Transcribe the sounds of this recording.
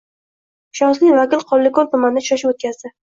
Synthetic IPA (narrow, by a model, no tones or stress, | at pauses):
ʃɒnslɪjvakʲɪlqʰɒlːɪkɔlˠt̪ʰʊmand̪at͡ʃʰʊ̥ʃaʃɪot̪̚kʲazd̪ɪ